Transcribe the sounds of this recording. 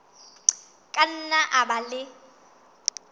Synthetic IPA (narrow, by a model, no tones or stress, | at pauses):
kʼan̩naʔabalɪ